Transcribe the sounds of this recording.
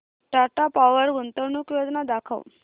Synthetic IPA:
ʈaɾʈapaʋəɾɡunt̪ənukjod̪nad̪akʰə̰w

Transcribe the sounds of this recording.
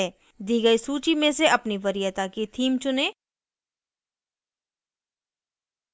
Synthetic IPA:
ɛː | d̪iːɡəisuːt͡ʃimẽseɐpniʋɐɾijat̪akit̪ʰiːmt͡ʃʊnẽː

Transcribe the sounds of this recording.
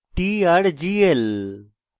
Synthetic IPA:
ʈiːaɾd͡ʒiːel

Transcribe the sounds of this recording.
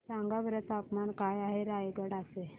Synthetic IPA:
saŋɡaʋəɾət̪apmankajaɦeɾajɡəɽase

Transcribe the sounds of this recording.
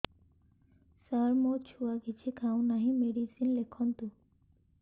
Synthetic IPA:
saɾmot͡ʃʰuaɡit͡ɕʰikʰawnaɦimeɖisinlekʰːɔnt̪u

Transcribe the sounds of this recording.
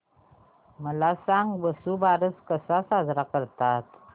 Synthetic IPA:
məlasaŋbəsubaɾəskəsasazɾakəɾt̪at̪

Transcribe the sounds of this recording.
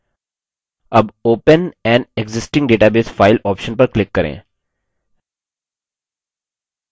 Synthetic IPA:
ɐboːpənɛ̃ːɳɖeɡzɪsʈɪ̃ŋɡɖeːʈaːbeːsfaɪlɔːpʃə̃npəɾklɪkːɐɾḛ̃ː

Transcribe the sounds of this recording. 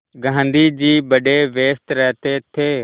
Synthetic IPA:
ɡʱãːnd̪iːd͡ʑiːbəɗeːʋeːst̪ɾɛɦt̪eːt̪ʰeː

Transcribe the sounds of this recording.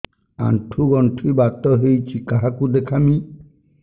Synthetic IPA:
a̰ɳʈʰuɡɔɳʈʰibat̪ɔɦejt͡ʃʰikaɦakud̪ekʰami

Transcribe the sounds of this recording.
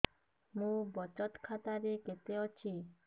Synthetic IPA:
mũbɔt͡ʃɔt̪kʰat̪aɾeket̪eot͡ʃʰi

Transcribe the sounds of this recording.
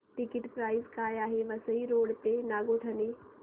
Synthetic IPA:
ʈɪkɪʈpɾaːɪzkaːjaːɦeʋɐsəiɾoːɽpenaːɡoʈʰɐne

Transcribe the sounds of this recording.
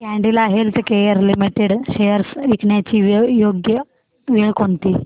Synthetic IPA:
kɛɳɖilaɦelt̪ekejəɾlimiʈeɽɕejəɾsʋikɳjat͡ɕiːʋjoɡjə | ʋeɭkoɳt̪iː

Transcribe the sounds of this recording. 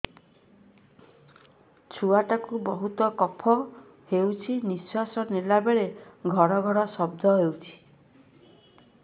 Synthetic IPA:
t͡ʃʰuaʈakubɔɦut̪ɔkɔpʰɔ | hewt͡ʃʰiniswasɔnelabeɭeɡʱɔɾɔɡʱɔɾɔsɔbd̪ʱɔɦewt͡ʃʰi̥

